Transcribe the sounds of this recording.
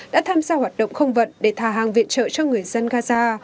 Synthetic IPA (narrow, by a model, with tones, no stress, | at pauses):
ɗa̰ː˧˥t̪ʰaː˧mzaː˧hwaː˨˩t̚ɗə̰˧˨wŋ͡mxə˧wŋ͡mvə̰˧˨nɗe˧˩t̪ʰaː˨˧˩ɦaː˨˩ŋvḭ˧˨ənt͡ɕə̰ː˧˨t͡ɕɔ˧ŋɨ˨˩əjzə˧nɣaː˧zaː˧